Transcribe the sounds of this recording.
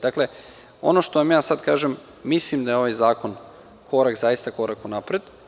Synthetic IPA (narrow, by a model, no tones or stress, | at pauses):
d̪akle̞ | o̞̰no̞ʃt̪o̞ʋamjaːsad̪kaːʒem | mislimd̪ajeo̞ʋajzaːko̞n | kʰo̞ɾakzajist̪ako̞ɾakunapɾed̪